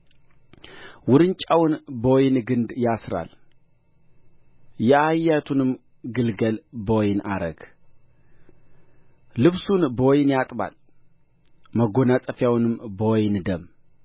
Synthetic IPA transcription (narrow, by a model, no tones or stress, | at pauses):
wʊɾɨnt͡ʃʼawnbəwjnɡɨnd̪jasɾa̰l | jɛajːat̪ʰunɨm | ɡɨlɡəlbəwjnʔa̰ɾəɡ̥ | lɨβsunbəwɔjnjat̪ʼba̰l | məɡo̞nasʼəfjawnɨmbəwɔjnd̪əmː